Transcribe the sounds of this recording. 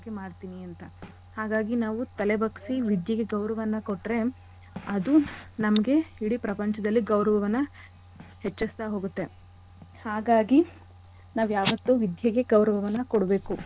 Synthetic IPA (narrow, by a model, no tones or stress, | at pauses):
kːemaːɽt̪iːniɐnt̪ɐ | haːɡaːɡinaːʋut̪ɐlebɐksiʋid̪jɐɡeɡɐwɾɐʋɐnːɐkoʈːɾe̞ | ɐd̪unɐmɐɡe̞iɽipɾɐpɐɲt͡ʃɐd̪ɐlːiɡɐwɾɐʋɐʋɐnːɐ | het͡ʃːɐst̪aɦo̞ːɡut̪ːe̞ | haːɡaːɡi | naːʋujaːʋɐt̪ːuːʋid̪ʱjɐɡe̞ɡɐwɾɐʋɐʋɐnːɐkoɽbe̞ːku